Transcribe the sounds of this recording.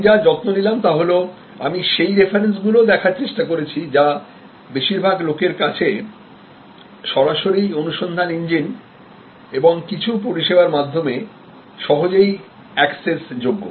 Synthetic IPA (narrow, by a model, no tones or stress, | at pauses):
d͡ʑad͡ʑɔt̪monilamt̪aɦolo | a̰miʃejɾefaɾens̬ɡulod̪ɛkʰaɾt͡ɕeʃʈakoɾet͡ɕʰid͡ʑa | beʃiɾbʱaɡlokeɾkat͡ɕʰe | ʃɔɾaʃoɾionuʃond̪ʱaniɲd͡ʑin | eboŋkit͡ɕʰup̬oɾiʃebaɾmad̪ʱːome | ʃɔɦod͡ʑej | ɛksesd͡ʑoɡːo̰